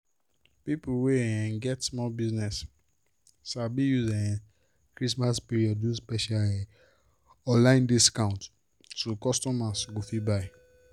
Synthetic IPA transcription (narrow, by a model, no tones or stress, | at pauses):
pipuweɛ̃ɡɛtsmɔbiznɛs | sabijuzɛ̃ɛ̃ | kɾismaspiɾiɔdũspɛʃali | ɔlãɪ̃ndiskãʊ̃nt | tukɔstɔmasɡofibaɪ